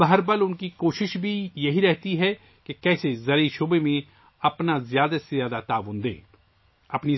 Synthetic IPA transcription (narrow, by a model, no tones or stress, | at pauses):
bɐɦəɾbɐlʊnkikoːʃɪʃbʱijɐɦiɾɛɦt̪iɦɛ | kekɛːsezɐɾiʃoːbemẽ | ɐpnazjaːd̪asezjaːd̪at̪aːʋʊnd̪ḛ̃ː | ɐpni